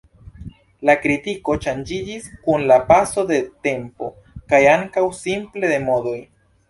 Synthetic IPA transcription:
lakɾitiko̞t͡ʃand͡ʒid͡ʒiskunlapaso̞de̞te̞mpo̞ | kajaŋkawsimple̞de̞mo̞do̞j

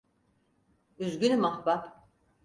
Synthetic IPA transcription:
yzɟʲynmaxbap

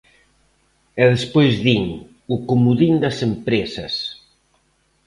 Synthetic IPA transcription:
ɛðespojzðiŋ | ʊkumuðind̪ɐsempɾesɐs

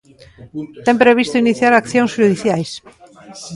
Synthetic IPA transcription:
t̪empɾeβ̞ist̪uiniθjaɾakθjõŋsʒuðiθjajs

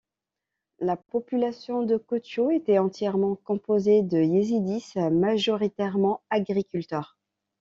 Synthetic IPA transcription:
lapɔpylasjɔ̃d̪əkot̪joet̪ɛɑ̃t̪jɛʁmɑ̃kɔ̃pozed̪əjezid̪ismaʒɔʁit̪ɛʁmɑ̃aɡʁikʲylt̪œʁ

